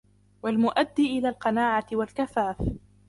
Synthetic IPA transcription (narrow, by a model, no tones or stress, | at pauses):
walmʊʔad̪ːiʔɪlaːlqɑnaːʕat̪ɪwalkafaːf